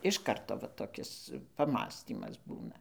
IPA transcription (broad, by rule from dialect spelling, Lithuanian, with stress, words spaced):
ɪʃ ˈkɐrtoː ʋɐ toːˈkʲɪs pɐˈmɑːsʲtʲiːmɐs ˈbuːnɐ